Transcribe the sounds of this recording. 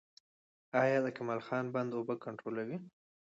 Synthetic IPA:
ɑjɑd̪əkamɑlxɑnband̪obəkaɳʈɾolawi

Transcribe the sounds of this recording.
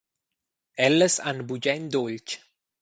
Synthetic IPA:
ɛlːəsa̰nbud͡ʒɛnd̪olt͡ʃ

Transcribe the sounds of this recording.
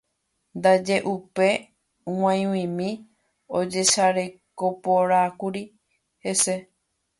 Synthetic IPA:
nd̪ad͡ʒe̞ʔupe̞ | wãj̃wĩmĩ | od͡ʒe̞ʃaɾe̞ko̞poɾakuɾi | he̞se̞

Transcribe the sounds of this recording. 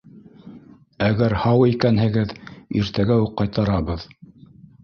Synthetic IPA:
æɡæɾhɑwikænɦɘ̆ɡɘðḭɾt̪æɡæuqːɑjt̪ɑɾɑβɤð

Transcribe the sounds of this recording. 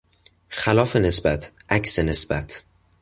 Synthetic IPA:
xælɒːfene̞sbæt̪ʰʔæcsene̞sbæt̪ʰ

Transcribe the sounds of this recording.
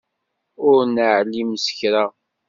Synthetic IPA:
ʊɾnəʕlːimsə̥çɾa

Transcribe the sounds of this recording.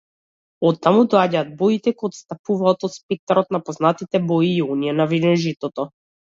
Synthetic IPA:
ɔt̪ːamud̪ɔaɟaːd̪̚bɔit̪ɛkɔːt̪st̪apuvaːt̪ɔt̪spɛk̚t̪aɾɔt̪napɔznat̪it̪ɛbɔiːɔniɛnavid̪ɛnʒit̪ɔt̪ɔ

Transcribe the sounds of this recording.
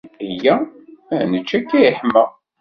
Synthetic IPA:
ijːæ | nət͡ʃːækːæiħmːæ

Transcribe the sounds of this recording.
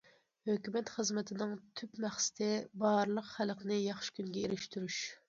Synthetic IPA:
høkʲymɛt̪χəzmɛt̪ʰɪnɨŋt̪ʰypmæχsɪ̥t̪ʰɪbɑːɾlˠəqχælqnɨjɑχʃɪ̥kʲyŋɡʲɛeɾɪʃt̪yɾyʃ

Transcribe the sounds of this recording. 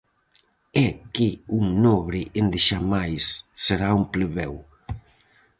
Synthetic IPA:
ɛkɪuŋnɔβɾɪʔɪnd̪ɪʃamajsːeɾaumplɪβɛw

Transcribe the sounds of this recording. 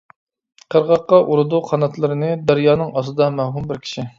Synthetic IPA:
qʰəɾʁɑqːɑʔuɾɨd̪uqʰɑnɑt̪lˠɨɾɨnɨd̪æɾjɑːnɨŋɑsɨd̪ɑmæwɦumbɪɾkʲʰi̥ʃi

